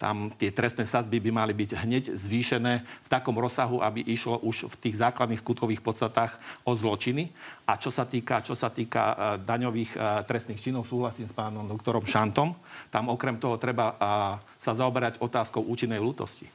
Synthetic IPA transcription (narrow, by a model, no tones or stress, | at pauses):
t̪a̰mt̪ɪɛt̪ɾɛst̪nɛːsazbibimalibiɟɦɲɛɟzʋiːʃɛnɛːft̪akɔmɾɔsːaɦuʔabiʔiʃlɔʔuʃft̪iːɣzaːklad̪nixskut̪kɔʋiːxpɔt̪st̪at̪aːxɔzlɔt͡ʃiniʔat͡ʃɔsat̪iːkat͡ʃɔsat̪iːka̰d̪aɲɔʋiːxt̪ɾɛst̪niːxt͡ʃinɔʊsuːɦlasiːmspaːnɔmd̪ɔkt̪ɔɾɔmʃant̪ɔmt̪amɔkɾɛmt̪ɔɦɔt̪ɾɛba | sazaɔbɛɾaɟɔt̪aːskɔʊʔuːt͡ʃinːɛjluːt̪ɔ̰sci̥̰